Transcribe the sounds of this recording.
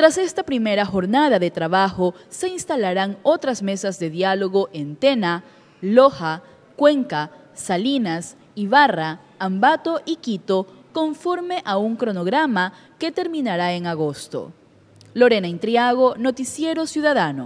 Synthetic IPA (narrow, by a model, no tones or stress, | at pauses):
t̪ɾase̞st̪apɾime̞ɾaxo̞ɾnaðaðet̪ɾaβaxose̞inst̪alaɾaŋo̞t̪ɾazme̞sazðe̞ðjalo̞ɣo̞ʔent̪e̞na | loxa | kwe̞ŋka | salinas | iβaraː | mbat̪o̞ʔikit̪o̞ko̞ɱfo̞ɾme̞ʔauŋkɾo̞noɣɾama | ke̞t̪e̞ɾmĩnaɾaeŋaɣo̞st̪o̰ | lo̞ɾe̞naint̪ɾjaɣono̞t̪isje̞ɾo̞sjuðaðano̰